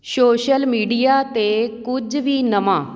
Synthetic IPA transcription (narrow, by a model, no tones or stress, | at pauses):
soːʃəlmiːɖijaːt̪eːkʊd͡ʒʋiːnəmãː